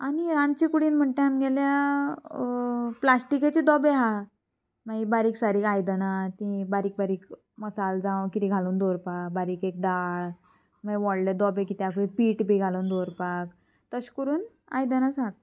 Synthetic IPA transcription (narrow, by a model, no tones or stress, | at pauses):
aniɾãnt͡ɕikuɽiːnm̤əɳʈ̪ẽɦamɡɛlja | plasʈiket͡ɕid̪ɔbeɦa | maɡibaɾiːksaɾiːkajd̪ənat̪ĩbaɾiːk̚baɾiːk | məsald͡zãʋkit̪iɡʱaluːnd̪oɾpakbaɾiːkek̚d̪aɭ | m̤aʋɔɭɖed̪ɔbekit̪jakipiːʈbiɡʱaluːnd̪oɾpak | t̪əɕkuɾuːn | a̰jd̪ənasɦak̚